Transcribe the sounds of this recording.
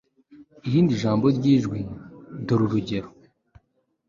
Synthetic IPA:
iɾiːndiʒaːmboɾɟiːʒɡwidoɾuɾuɟeɾo̥

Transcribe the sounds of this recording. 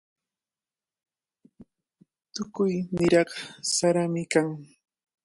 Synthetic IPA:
t̪ʊkʊjnɪɾɑɢsaɾamɪkaŋ

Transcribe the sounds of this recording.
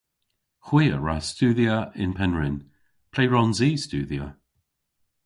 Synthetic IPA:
xwiːəɹa̰stuːðiəɪnpʰɛnɹɪn | pʰl̥eːɹɔnziːstuːðjə

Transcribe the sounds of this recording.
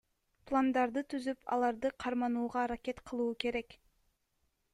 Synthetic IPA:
plˠand̪ɑɾd̪ɯt̪ʰyzypɑ̰lˠɑɾd̪ɯqʰɑɾmɑnuːʁɑːɾakʲe̞t̪qʰɯlˠuːke̞ɾe̞k

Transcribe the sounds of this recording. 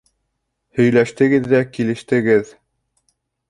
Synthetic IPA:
hɵ̆jlæʃt̪ɘ̆ɡɘðːækilɘ̆ʃt̪ɘ̆ɡɘð

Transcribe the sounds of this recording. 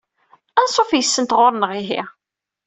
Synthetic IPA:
ænsˤofjəsːənt̪ʁoɾˤnəʁiɦḭ

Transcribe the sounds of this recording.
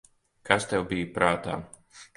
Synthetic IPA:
kʰast̪ɛwbijpɾaːt̪a̰ː

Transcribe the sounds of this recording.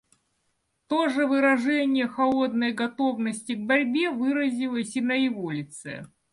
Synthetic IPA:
t̪oʐɨvɨɾɐʐɛnʲɪjəxɐlˠo̞d̪nəjɡɐt̪o̞vnəsʲtʲɪɡ̚bɐɾʲbʲevɨɾəzʲɪlˠəsʲɪnəjɪvolʲɪt̪sɛ̰

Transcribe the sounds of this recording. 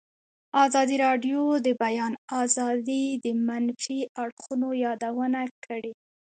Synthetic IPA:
ɑzɑd̪iɾɑɖjod̪əbajɑnɑzɑd̪id̪əmanfiaɽxunojɑd̪awənakʰəɽe

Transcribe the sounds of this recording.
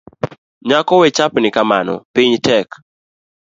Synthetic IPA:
ɲakɔwɛt͡ʃapnɪkamanɔ̰piɲtɛk

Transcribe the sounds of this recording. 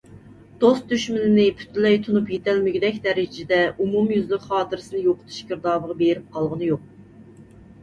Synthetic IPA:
d̪̥ost̪̚d̪yʃmɪnɪnɪpʰy̥t̪ʰylɛjt̪ʰunupjet̪ʰælmɪɡʲyd̪ɛkʲd̪ɛɾɪd͡ʒɪd̪ɛumumjyzlɪkχɑːt̪ʰɨɾɨsɨnɨjoqʰə̥t̪ʰu̥ʃɡʲəɾd̪ɑːbəʁɑbeɾɪp̚qʰɑlˠʁənɨjoq̚

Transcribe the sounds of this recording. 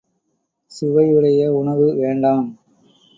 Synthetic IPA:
sɪʋɐjɯɽɐjɐʊɳɐʋɯʋeːɳɖaːm

